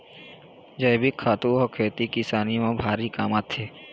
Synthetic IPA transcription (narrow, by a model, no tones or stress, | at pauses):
d͡ʒəjbikʰːaːt̪uɔːkʰeːt̪ikɪsaːnimãbʱaːɾikaːmaːt̪ʰːeː